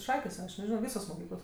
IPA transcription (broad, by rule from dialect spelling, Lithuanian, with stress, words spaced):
ˈʃɑːkʲeːs ɐʃ nʲɛˈʒʲɪnoː ˈʋʲiːsoːs moːˈkʲiːklˠoːs